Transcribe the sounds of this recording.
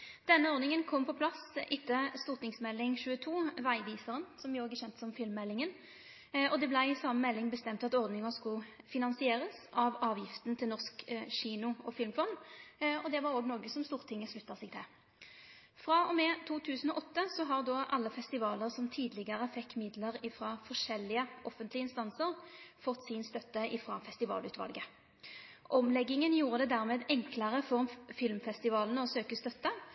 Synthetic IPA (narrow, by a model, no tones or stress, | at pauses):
d̪̥ɛnːəɔʁd̪nɪŋənkʰɔmːpʰɔpʰlɑsʔɪt̪ːəst̪uːʁt̪ɪŋsmɛlːɪŋɕʉːət̪ʰuːʋæɪʋiːsəʁənsɔmɪoːɡəɕɛnt̪əsɔmfɪlmːɛlːɪŋən | ɔd̪ɛblæɪɪsɑmːəmɛlːɪŋbəst̪ɛmt̪ɑt̪ɔʁd̪nɪŋəskʊfɪnɑnsɪeːʁəsɑʋɑːʋjɪft̪nt̪ʰɪlnɔʁskɕiːnʊɔfɪlmfɔnd̪ɔd̪ɛʋɑɾoːɡnoːɡəsɔmst̪uːʁt̪ʰɪŋːəslʉt̪ːɑsɛɡd̪ʰɛ | fʁɑːɔmɛt̪ʰuːt̪ʰʉːsən̩ɔʔɔt̪ːəsɔɦɑʁd̪ɔʔɑlːəfɛst̪ɪʋɑːləʁsɔmt̪ʰiːd̪lɪɡəʁəfɛkːmɪd̪ləʁɪfʁɑfɔʂɛlːɪəʔɔfənt̪lɪəɪnst̪ɑnsəʁfɔt̪ːsɪnst̪œt̪ːəʔɪfʁɑfɛst̪ɪʋɑ̰ːlʉːt̪ʋɑ̰lɡə | ʔɔmlɛɡːɪŋənjuːʁəd̪ɛd̪æːʁmeːd̪ɛŋkləʁəfɔʁɔmfɪlmfɛst̪ɪʋɑːlnəɔsøːkəst̪œt̪ːə